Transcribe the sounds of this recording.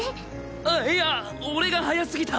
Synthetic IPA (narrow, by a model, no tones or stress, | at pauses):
aeja | oɾe̞ɡaɦajasɨɡʲit̪ʰa